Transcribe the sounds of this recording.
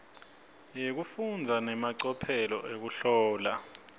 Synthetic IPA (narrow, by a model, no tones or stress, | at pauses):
jek̬ufund͡zʱanɛmaǀɔpʰɛlɔ̰ʔek̬uɬɔːla